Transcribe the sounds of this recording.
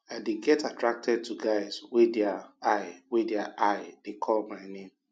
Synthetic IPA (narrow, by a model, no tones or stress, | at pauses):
aɪdeɡɛtatɹak̚tʰɛd̚tʰuɡaɪzwedɛaaɪwedɛaʔaɪd̥ekʰɔlmaɪnẽm